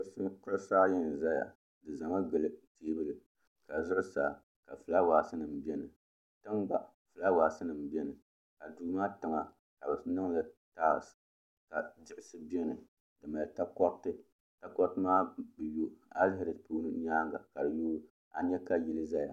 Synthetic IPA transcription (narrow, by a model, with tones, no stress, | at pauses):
sɨ˦kʊ˦ɨ˦saː˦jɛ˦nɨ˨za˦ja̰˨ | dɨ˨za˨ŋa˦ɡɨ˨lɨ˦teː˦bɨ˦lɨ˨ | ka˨zʊ˦ʔʊ˦sa˨ | ka˨fɨ˨la˦waː˨sɨ˦nɨ˨m˨bɛ˦nɨ˨ | tɨ˦mɡ͡ba˦ | fɨ˨la˦waː˨sɨ˦nɨ˨m˨bi˦ɛ˦nɨ˨ | ka˨duː˨maː˦tɨ˨ŋa˨ | ka˨bɨ˨snɨ˦ŋlɨ˦taː˦˨s | ka˨d͡ʒɪ˨ʔɪ˨sɨ˦bɛ˦nɨ˨ | dɨ˨ma˨ta˦kɔ˦ktɨ˦ | ta˦kɔ˦ktɨ˦maː˦bɨ˨jo˦a˦lɪ˦hɪ˦ɾɨ˨puː˦nɨ˦ɲaː˦ŋɡa̰˨ka˨dɨ˨joː˦ | a̰˨ɲɛ˦ka˦ji˨lɨ˦za˦ja̰˨